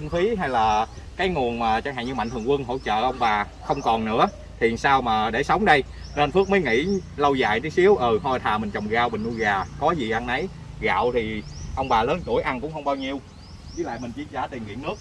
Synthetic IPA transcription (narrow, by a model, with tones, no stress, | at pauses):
ə˧nfi˨˦ɦa˧jlaː˨˩ | kaː˨˦jŋu˨˩ənmaː˨˩t͡ɕɔ˧ha̰ː˧˨˩ɲɨ˧ma̰˧˨ŋt̪ɨ˨˩ŋkwɨ˧nɦo̰˧˥t͡ɕə̰ː˧˨ʔə˧wŋ͡mɓaː˨˩ | xə˧wŋ͡mkɔ˨˩nːɨ̰˧˥ə | t̪ʰi˨˩ənsaː˧wmaː˨˩ɗe˧˩sə˨˦wŋ͡mɗə˧j | ne˧nfɨ˦˥k̚məː˨˦jŋḭ˧˥lə˧wza̰ː˧˨jt̪i˨˦si˨˦əwʔəː˨˩ho˧˩t̪ʰaː˨˩mï̟˨˩t͡ɕə˨˩wŋ͡mɣaː˧wɓï̟˨˩u˧ɣaː˨˩kɔ˨˦zi˨˩ʔa˧nːa˨˦j | ɣa̰ː˧˨wt̪ʰi˨˩ʔə˧wŋ͡mɓaː˨˩ləː˨˦nt͡ɕu˧˩əjʔa˧nkʊ̰˧˥ŋ͡mxə˧wŋ͡mɓaː˧wɲi˧əw | zi˧˨˦la̰ː˧˨jmi˨˩ŋ̟t͡ɕi˧˩ənzaː˧˩t̪i˨˩əŋwḭ˧˨ənɨ˦˥ək̚